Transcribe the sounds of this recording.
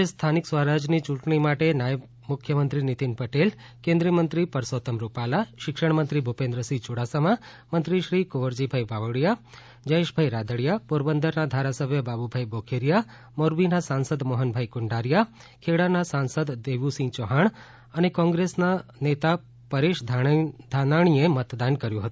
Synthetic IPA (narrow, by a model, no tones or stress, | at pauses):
est̪ʰaniksʋaɾad͡ʒnit͡ʃũʈɳimaʈenajəb | mʊkʰjəmə̃nt̪ɾinit̪inpəʈel | kẽnd̪ɾiəmənt̪ɾipəɾsot̪əmɾupalaʃɪkʃəɳmənt̪ɾibʱupẽnd̪ɾəsit͡ʃuɽasamã | mə̃nt̪ɾiʃɾikoʋəɾd͡ʒibʱajbaʋəɽja | d͡ʒəeʃbʱajɾad̪ʱəɽjapoɾbənd̪əɾnad̪ʱaɾasəbʱjəbabubʱajbokʰeɾja | moɾbinasansəd̪moɦənbʱaikʊɳɖaɾja | kʰeɽanasansəd̪d̪eʋusĩt͡ʃoɦaɳ | ənekɔ̃ŋɡɾesnanet̪a | pəɾeʃd̪ʱd̪ʱanaɽ̃iemət̪d̪ankəɾjũɦət̪ũ